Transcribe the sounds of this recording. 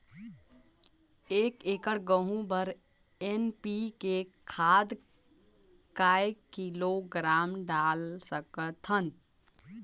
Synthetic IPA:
ekekəɾɡəɦũbəɾ | enpikekʰad̪ | kajkiloɡɾamɖalsəkət̪ʰən

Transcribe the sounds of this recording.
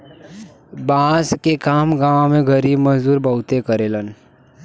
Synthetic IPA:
bãːskekaːmɡãːmẽɡʱəɾiːbməɦzuːɾbəɦʊt̪ekəɾelən

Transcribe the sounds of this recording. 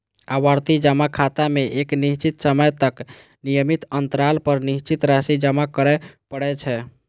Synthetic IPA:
awaɾt̪id͡ʒəmakʰat̪ameʔeknist͡ʃit̪səməjt̪ək | nijəmit̪ənt̪əɾalpəɾnist͡ʃit̪ɾasid͡ʒəmakəɾɛpəɽɛt͡ʃʰɛ

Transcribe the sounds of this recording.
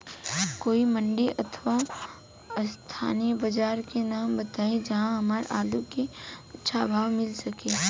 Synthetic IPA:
koːimɐ̃ɳɖiʔɐt̪ʰʋa | st̪ʰa̰ːniəbɐd͡ʒaːɾkenaːmbɐt̪aːed͡ʒɐɦãɦɐmaːɾʔaːlukiɐtːʃʰabʱaːʋmɪlsɐkeː

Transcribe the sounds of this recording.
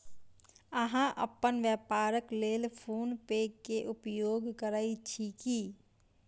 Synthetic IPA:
əɦãʔə̰pːənʋjəpaːɾəkleːlpʰuːnpeːɡkːeʔʊpjoːɡkəɾaːit͡ʃʰiki

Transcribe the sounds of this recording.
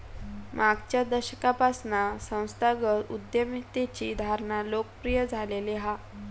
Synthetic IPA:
mʔaɡt͡ɕjad̪əɾɕəkapasnasə̃w̃st̪ʰaɡəud̪jəmit̪et͡ɕiːd̪ʱaɾnalokəpɾijəd͡zʱaleleɦa

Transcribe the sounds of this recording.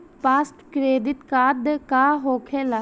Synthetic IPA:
paːsʈkɾeːd̪ɪt̪kaːd̪kaːɦoːkʰeːla

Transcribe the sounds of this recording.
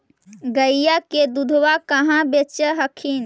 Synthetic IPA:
ɡəijaked̪ud̪ʱwakəɦãbet͡ʃəɦəkʰin

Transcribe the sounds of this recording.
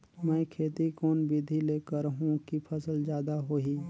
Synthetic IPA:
mɛ̃ːkʰeːt̪ikoːnbid̪ʱileːkəɾɦũkipʰəsəlzjaːd̪aɦoːɦiː

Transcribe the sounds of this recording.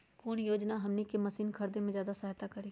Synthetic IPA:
koːnjoːd͡ʒnaɦɐmnekemɐsiːnkʰɐɾd̪emẽzjaːd̪asɐɦt̪akɐɾiː

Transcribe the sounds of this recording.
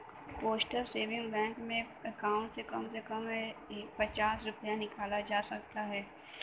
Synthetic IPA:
poːsʈəlseːʋɪ̃ŋɡbɛ̃ːŋkmẽ | ɐkaːʊ̃ʈsekɐmsekəmpɐt͡ʃaːsɾʊpjanɪkaːlad͡ʒaːsɐk̚t̪aɦɛː

